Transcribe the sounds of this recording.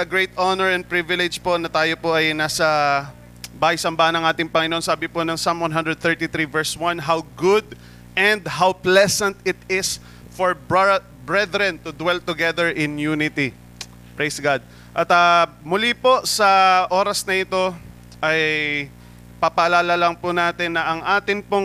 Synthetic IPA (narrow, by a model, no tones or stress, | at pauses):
ɐɡɹejt̪ʔonɛɹɛn̚pɹɪvɪlɛd͡ʒpo̞nɐt̪aːjopoʔɐjnaːsɐ | baːhɐjsɐmbaːhɐnɐŋʔaːt̪ɪŋpɐŋɪnoonsaːbɪponɐŋsɐ̃mwɐnɦɐ̃nd̪ɾɛd̪̚θɛɹt̪iθɾivɛɹswɐnɦawɡʊd̪̚ | ʔɛ̃nd̪ɦawplɛsɐ̃nt̪ɪt̪ɪs | fɔɹb | bɹɛd̪ɾɛ̃nt̪ʊd̪wɛlt̪ʊɡɛðɛɹʔɪnjunɪt̪i | pɹejsɡad̪̚ | ʔɐt̪a | mʊlipo̞sɐʔo̞ːɾɐsnɐʔɪt̪o̞ | ʔɐj | pɐpɐʔɐlaːlɐlɐŋpʊnaːt̪ɪnːɐʔɐŋʔaːt̪ɪŋpoŋ